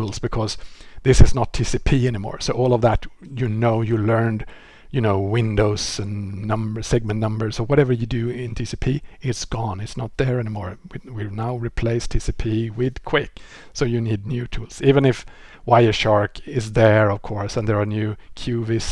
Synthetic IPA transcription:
ulˠz̥bɨkʰʌz̥ðɪsɨznətʰːisipʰiɛnimɔ̰ɹsoʊʔɔlˠʌvðæt | jɨnoʊjɨlɜ̃˞nd | jɨnoʊwɪ̃ndoʊz̥ɨ̃nːʌ̃mbə˞sɛɡ̚mɨ̃nnʌ̃mbə˞soʊwʌɾɛvə˞jɨdɨɪ̃ntʰisipʰiɪtsɡ̥ɔ̃nɪtsnət̪̚ðə˞ɛnimɔɹwwinaʊɹipʰl̥eɪstʰɪsipʰiwɪð̥kʰw̥ɪk | soʊjɨnid̚ⁿnjʉtʰulˠz̥ivɨ̃nɪf | waɪəʃɑɹkɪzðə˞ʌv̥kʰɔɹsɨ̃nðə˞ɑnjʉkʰj̥ʉvɪs

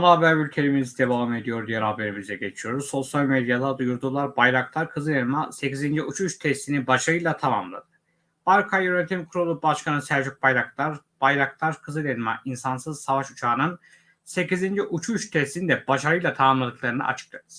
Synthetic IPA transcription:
onabæɾbylʲcʰe̞lʲimiizid̪e̞vaːme̞d̪ijo̞ɾd̪ijɛɾaːbe̞ɾimizɛɟe̞t͡ʃʰijo̞ɾuzso̞sjalʲmed̪jad̪ˠad̪ujuɾd̪uːlˠaɾbajɾaklˠaɾkʰɯzɯlʲenmase̞cizind͡ʒiut͡ʃʰuʃt̪ʰɛst̪ʰinibaʃaɾɯjlˠat̪ʰama̰mlˠa̰d̪ɯ | b̥aɾkʰajjønet̪ʰimkʰuɾolˠubaʃkʰanɯnsæɾd͡ʒyk̚bajɾak̚lˠaɾ | b̥ajɾakt̪ˠaɾkʰɯzɯlʲenmaʔinsansɯz̥savaʃut͡ʃʰaːnɯn | se̞cizind͡ʒiʔut͡ʃʰuʃt̪ʰɛst̪inid̪ɛbaʃaɾɯjlˠat̪ʰamamlˠad̪ɯklˠaɾɯna̰ʔa̰t͡ʃʰɯ̥k̚lˠad̪ɯz̥

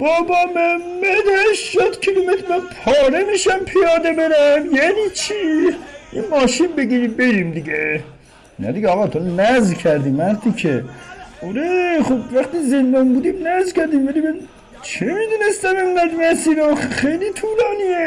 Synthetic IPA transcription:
b̥ɒːbɒmoæmmːæd̪eʃʃod̪kʰilomet̪ɾmænpʰɒːɾemiʃæmpʰijɒːd̪ebeɾæmjænit͡ʃʰiʔinmɒːʃinbeɡiːɾibeɾiːmd̪iɡe | næ̰d̪iɡʲeɒːɣɑːt̪ʰonæzkʰæɾd̪iːmæɾt̪ʰikʰeoɾeχobvæχt̪iːzend̪ɒnbuːd̪imnæzkæɾd̪iːmvælibed̪i | t͡ʃʰemid̪uːne̞st̪æmenɡæd̪mæsiːɾoxejlit̪ʰuːlɒːnie

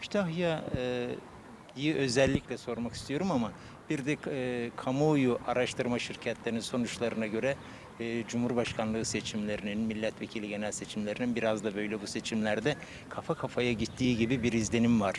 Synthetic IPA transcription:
kʰy̥t̪ʰaɦjaɯ | jiʔø̞zɛlʲːiclʲɛso̞ɾmaki̥st̪ʰijo̞ɾumama | b̥iɾd̪ɛkʰamojuʔaɾaʃt̪ʰɯɾmaʃiɾcʰɛt̪lʲeɾininso̞nut͡ʃlˠaɾɯnaɟø̞ɾɛ | d͡ʒumhuɾbaʃkʰanlˠɯɯse̞t͡ʃʰimlʲe̞ɾininmilʲːɛt̪ʰve̞cʰilʲiɟe̞nɛlʲse̞t͡ʃʰimlʲe̞ɾininbiɾazd̪abø̞jlʲɛbuse̞t͡ʃʰimlʲæɾd̪ɛ | kʰafakʰafajaɟit̪ʰːiːɟibibiɾizlʲe̞nimvaɾ̥

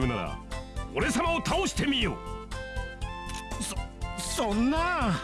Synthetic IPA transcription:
ɯnaɾa̰oɾe̞samaot̪ʰaoɕi̥t̪ʰe̞mʲijo | ssonːa

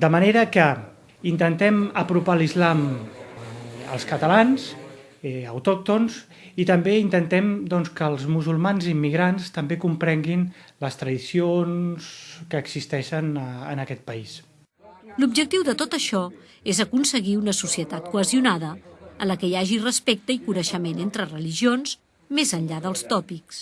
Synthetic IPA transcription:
d̪əməneɾəkə | int̪ənt̪ɛməpɾupalizlam | ə̰lˠskət̪əlanz | əwt̪ɔk̚t̪onz | it̪əmbeint̪ənt̪ɛmd̪ɔnskəːlˠzmuzulˠmanzimːiɣɾanst̪əmbekumpɾɛŋɡinləst̪ɾəðisionskəːɡz̥ist̪ɛʃənənəkɛt̪̚pəis | lub̚d͡ʒək̚t̪iwðət̪ot̪əʃɔ | ezəkunsəɣiunəsusiət̪at̪kuəziunaðəənləkəjaʒirəspek̚t̪əikunəʃəmenent̪ɾərəliʒionz | mezənʎaðəlˠst̪ɔpiks

